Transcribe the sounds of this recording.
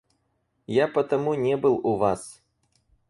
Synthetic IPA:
japot̪ɐmunʲebɨlˠuvas

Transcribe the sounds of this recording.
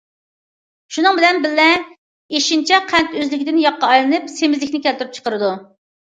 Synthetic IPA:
ʃunɨŋbɪlɛnbɪlːɛ | eʃint͡ʃʰɛqʰɛnt̪øzlɪkʲɪd̪ɪnjɑqːɑɑjlˠɨnɨpsemɪzlɪkʲnɪkʲʰɛlt̪yɾyp̚t͡ʃʰə̥qəɾɨd̪u

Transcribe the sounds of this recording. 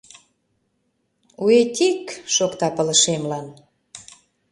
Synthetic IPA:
uet̪ʲikʃokt̪ɑpə̆lə̆ʃemlɑn

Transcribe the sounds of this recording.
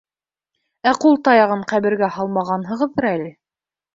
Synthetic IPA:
æqulˠt̪ɑjɑʁɤɴqæβɘ̆ɾɡæhɑlˠmɑʁɑnɦɤ̆ʁɤ̆ðɤɾælɘ

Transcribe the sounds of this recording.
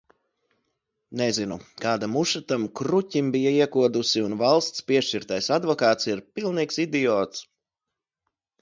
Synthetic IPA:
nɛzinukaːd̪amuʃat̪amkɾucʲimbijaiɛkuɔd̪usiunvalˠst̪spiɛʃt͡ʃiɾt̪ajsad̪vɔkaːt̪siɾpilˠniːksid̪ijɔːt̪s

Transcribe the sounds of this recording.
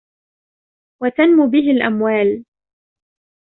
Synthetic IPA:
wat̪anmʊbɪɦɪlʔa̰mwaːl

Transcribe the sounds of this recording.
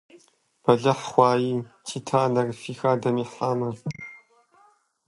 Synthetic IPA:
b̥ɐɮɐħχʷɑːjiːtʰiːtʰaːnɐrfiːxaːdɐmiːħaːmɐ

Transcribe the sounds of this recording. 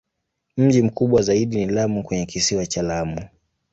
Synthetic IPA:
m̩ʄim̩kuɓwazaiɗinilamukwɛɲɛkisiwat͡ʃalamu

